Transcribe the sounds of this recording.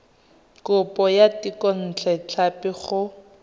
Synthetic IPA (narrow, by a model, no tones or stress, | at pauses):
kʊpɔjatikɔn̩t͡ɬʰɛt͡ɬʰapɪχʊ